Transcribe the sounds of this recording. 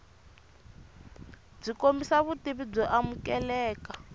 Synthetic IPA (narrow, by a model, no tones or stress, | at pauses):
b͡ʐikombisaβutiβib͡ʐɔʔamukɛlɛːka